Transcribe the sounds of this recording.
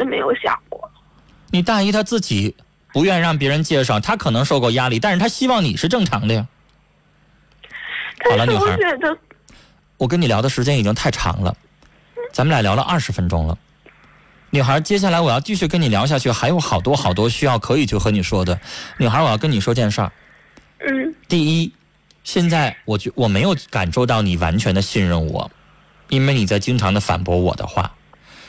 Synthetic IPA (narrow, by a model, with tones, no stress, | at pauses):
d̪ə˥˧me˧˥ɪjo˧˥ʊɕjɑ̰˨˩ŋkwɔ˥˩ | ni˨˩t̪a˥˩i˥t̪ʰa˥t͡sɹ̩˥˩t͡ɕi˨˩˦ | pu˧˥ɥɛ˥˧nɻɑ˥˩ŋp̬jɛ˧˥ɻə˧˥nt͡ɕjɛ˥˧ʂ̬ɑ˥˩ʊt̪ʰa˥kʰɤ˨˩nɤ˧˥ŋʂo˥˧ʊkwɔ˥˧˩ja˥li˥˩t̪a˥˩nʂɻ̩˥˩t̪ʰa˥ɕi˥wɑ˥˩ŋni˨˩ʂɻ̩˥˧ʈ͡ʂɤ˥˩ŋʈ͡ʂʰɑ̰˧˥ŋd̪ə˧jɐ˨˩ | xtʰa˥ɑ˨˩lə˦ny˨˩˥a̰˧˥ɛ˧˥d̪ə˧ | wɔ˨˩k̬ə˥ni˨˩ljɑ˧˥ʊd̪ə˧ʂɻ̩˧˥t͡ɕjɛ˥ni˨˩t͡ɕi˥ŋt̪ʰa˥˩ɪʈ͡ʂʰɑ̰˧˥ŋlə̰˧ | t͡sa˧˥mə˨la˧˥ɪljɑ˧˥lə̰˧ʔɐ̰˥˩ʂɻ̩˧˥fə˥nʈ͡ʂʊ̰˥ŋlə̰˨ | ny˨˩xa˞˧˥t͡ɕjɛ˥ɕ̬ja˥˩la˧˥ɪwɔ˨˩jɑ˥˧ʊt͡ɕi˥˧ɕy˥˩kə˥ni˨˩ljɑ˧˥ɕ̬ja˥˧t͡ɕʰy˥˩xa˧˥ɪjo˧˥ʊxɑ˨˩ʊt̪wɔ˥xɑ˨˩ʊt̪wɔ˥ɕy˥jɑ˥˩ʊkʰɤ˧˥i˨˩t͡ɕʰy˥˩xɤ˧˥ni˨˩ʂwɔ˥d̪ə˨ny˨˩xa˞˧˥wɔ˨˩jɑ˥˧k̬ə˥ni˨˩ʂwɔ˥t͡ɕjɛ˥˧nʂə̰˞˥˩˥ | t̪i˥˩i˥ | ɕjɛ˥˧nt͡sa˥˩ɪwɔ˨˩t͡ɕwɔ˨˩me˧˥ɪjo˨˩˥ʊka̰˨˩nʂo˥˧ʊt̪ɑ˥˩ʊni˨˩wa̰˧˥nt͡ɕʰɥɛ˧˥nd̪ə˧ɕi˥˧nɻə˥˩nwɔ̰˨˩˦ | i˥nwe˥˧ɪni˨˩t͡sa˥˩ɪt͡ɕi˥ŋʈ͡ʂʰɑ˧˥ŋd̪ə˧fa̰˨˩npwɔ˧˥wɔ̰˨˩d̪ə̰˧˦xwa̰˥˩